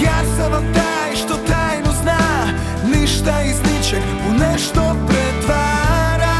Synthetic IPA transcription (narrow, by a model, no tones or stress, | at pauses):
jasɐvɐt̪a | jʃt̪ot̪ajnʊzna | niʃt̪ɐiznit͡ʃɛkponɛʃt̪opɾɛt̪vaɾa